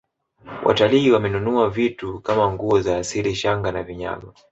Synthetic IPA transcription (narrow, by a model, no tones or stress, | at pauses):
wʔa̰taliːwamɛnunuavitukamaŋɡuɔzaːsiliʃaŋɡanaviɲa̰ma